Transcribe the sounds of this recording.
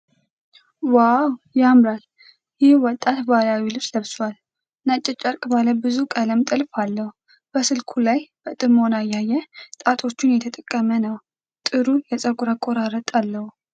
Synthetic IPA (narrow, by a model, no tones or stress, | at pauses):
wawjamɾal | jɪhwɔt̪ʼːat̪balawilɨfsləβswal | nat͡ʃʼːɛt͡ʃʼːəɾkʼbaləbɨzukʼələmt̪ʼɨlfalːəhu | b̥əsɨlkʰulajb̥ət̪ʼɨmo̞najːajːɛt̪ʼat̪ʰʼo̞t͡ʃːɪnjɛt̪ʰət̪ʼəkʼːəmənəw | t̪ʼɨɾujɛsʼəkʼuɾakʼoɾaɾət̪ʼalːəhu